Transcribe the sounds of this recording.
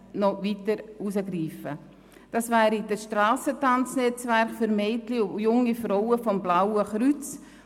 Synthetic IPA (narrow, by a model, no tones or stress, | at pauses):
nɔvitəɾusəɡɾiːfə | d̥ɑsvæːɾid̥əsʃtrɑːsətɑnt͡snɛt͡svɛɾχfyɾmeɪtlijʊŋifɾɔwəfɔmblawəχɾyt͡s